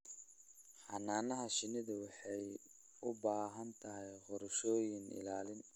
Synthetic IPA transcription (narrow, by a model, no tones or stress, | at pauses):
ħɑnaːnɐɦɐʃɪnɪðɐwɑħɑj | ʊbaːɦɐnt̪ʰɐɦɛjqɔɾʃɔːjɪnɪ̰laːlɪn